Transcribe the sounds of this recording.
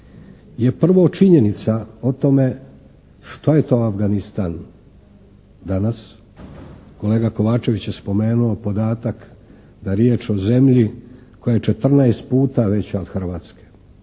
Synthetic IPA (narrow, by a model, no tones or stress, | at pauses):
je̞pr̩ʋot͡ʃiɲe̞nit̪sao̞t̪o̞me̞ | ʃt̪ojet̪o̞ːafɡanist̪aːn | d̪anas | ko̞leːɡako̞ʋaːt͡ʃe̞ʋit͡ɕjespo̞me̞ːnuo̞po̞d̪aːt̪ak | d̪aɾjeːt͡ʃo̞ze̞mʎi | kojajet͡ʃe̞t̪r̩naest̪̚puːt̪aʋe̞t͡ɕaod̪̥xr̩ʋaːt̪ske̥